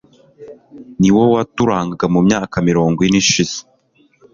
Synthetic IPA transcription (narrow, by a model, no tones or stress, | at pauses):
niwowatuɾaːŋɡaɡamumɲaːkamiɾo̞ːŋɡwiniʃiz̥e̥